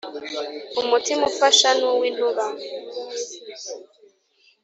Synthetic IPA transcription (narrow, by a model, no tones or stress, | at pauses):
umutʰimufaʃanuwiluɣa